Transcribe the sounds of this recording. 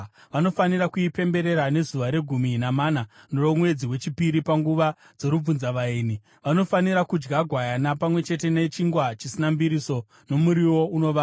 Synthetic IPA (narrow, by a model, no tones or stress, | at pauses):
ʋano̞fanirakuipe̞mbe̞ɾe̞ɾane̞zuʋaɾe̞ɡʱuminamananoromwe̞d͡ziwe̞t͡ʃipiɾipaŋɡuʋa | d͡zo̞ɾub͡vunzaʋaiːni | ʋano̞faniɾakud͡ʒɡaɡʱwajanapamwe̞t͡ʃe̞t̬e̞ne̞t͡ʃiŋɡwat͡ʃisinambiɾiso̞ | no̞muɾiwo̞uno̞ʋa